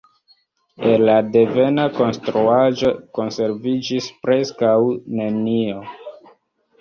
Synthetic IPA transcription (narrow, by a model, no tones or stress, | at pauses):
elade̞ve̞nako̞nstɾuaʒo̞ko̞nse̞ɾvid͡ʒispɾe̞skawne̞nio̞